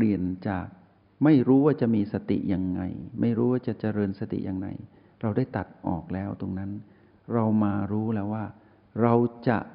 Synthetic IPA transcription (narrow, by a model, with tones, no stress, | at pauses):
li˨˩ənt͡ɕaː˨˩k̚ | ma˥˩jɾuː˦˥waː˥˩t͡ɕa˨˩miː˧sa˧t̪ḭ˨˩ja˧ŋːa̰˧jma˥˩jɾuː˦˥waː˥˩t͡ɕa˨˩t͡ɕa˧ɾɤː˧nsa˧t̪ḭ˨˩ja˧ŋːa̰˧j | ɾa˧wdaː˥˩jt̪a˨˩t̪̚ʔɔ̰ː˨˩k̚lɛː˦˥wt̪o˧ŋna˦˥n | ɾa˧wmaː˧ɾuː˦˥lɛː˦˥waː˥˩ | ɾa˧wt͡ɕa̰˨˩ʔ